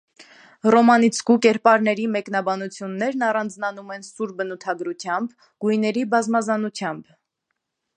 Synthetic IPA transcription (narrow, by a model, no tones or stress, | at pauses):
rɔmɑnit͡sʰkukɛɾpɑɾnɛɾimɛkn̪ɑbɑnut͡sʰjunːɛɾnɑrɑnd͡znɑnumɛn̪suɾbənut̪ʰɑɡɾut͡sʰjɑmb | ɡ̥ujnɛɾibɑzmɑzɑnut͡sʰjɑmb